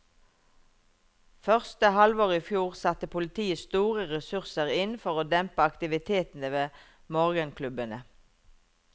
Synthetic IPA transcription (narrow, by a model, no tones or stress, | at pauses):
fœʁst̪əhɑlʋoːʁiːfjuːʁsɑt̪əpʰʊlɪt̪ʰiːəst̪uːʁəʁɛsʉʁsəʁɪnfɔʁoːd̪ɛmpəɑkt̪ɪʋɪt̪ʰeːt̪n̩əʋeː | mɔʁɡənkʰlʉbənə